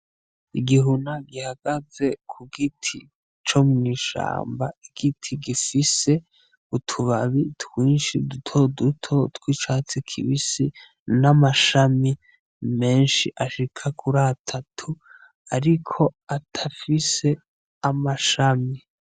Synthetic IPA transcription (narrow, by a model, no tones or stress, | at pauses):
iɡiɦunaɡihaɡ̥aze̞kʰuɡitʰi | t͡ʃo̞mŋiːʃa̰ːmbaiɡ̥itʰiɡifise̞ | utʰuβaβitwiːnʃidutʰo̞dutʰotkwit͡ʃaːt͡sikʰḭβisi | namaʃami | me̞ːnʃiʔaʃikʰakʰuɾatʰatʰu | aɾikʰo̞atʰafise̞ | amaʃami